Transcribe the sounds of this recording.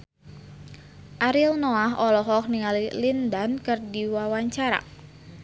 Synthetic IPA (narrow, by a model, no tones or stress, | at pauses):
ʔaɾilnɔaɦɔlɔɦɔk̚niŋalilindankɨrdiwawaɲt͡ʃaɾa̰